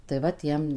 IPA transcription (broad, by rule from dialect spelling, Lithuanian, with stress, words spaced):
tɐɪ ˈʋɐ ˈtʲiɛm